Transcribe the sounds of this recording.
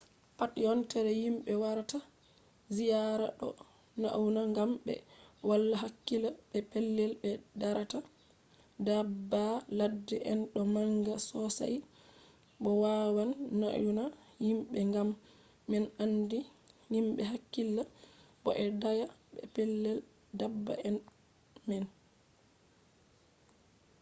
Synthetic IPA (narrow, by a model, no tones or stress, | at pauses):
patjɔntɛɾɛhimɓɛwaɾata | zijaɾa̰ɗɔ̰ | na̰ʔwunaŋɡamɓɛ̰walːaɦakːilaɓɛpɛlːɛlɓɛdaɾata | dabːaladːɛʔɛnɗɔmaŋɡasɔsa̰j | ɓɔwawanːa̰juna | himɓɛŋɡamː | ɛnandihimɓɛɦakːilːaɓɔ̰ʔɛdajaɓɛ̰pɛlːɛl | dabːa̰ɛn | mɛn